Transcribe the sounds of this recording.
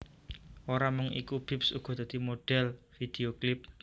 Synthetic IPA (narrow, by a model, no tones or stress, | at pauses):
oɾamʊŋḭkub̥i̤psṵɡ̥ɔ̤d̪̥a̤d̪̥i̤moɖ̥ɛlfid̪̥eoklɪp̚